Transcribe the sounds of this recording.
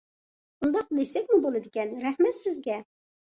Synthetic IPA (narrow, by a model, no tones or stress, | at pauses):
und̪ɑq̚lesɛk̚ʲmubolˠɨd̪ɪkʲɛnɾɛhmɛt̪sɪzɡʲɛ